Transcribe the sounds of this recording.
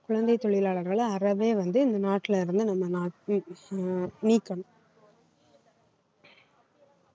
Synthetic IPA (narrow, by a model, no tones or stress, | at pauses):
kʊɻɐnd̪ɐɪt̪ɔɭɪlaːɭɐɾɣɐɭɐɾɐʋeːʋɐnd̪ɯɪnd̪ɐnaːʈːɪlɪɾɯnd̪ɯnɐmːɐnaː | niːkːɐɳʊ̃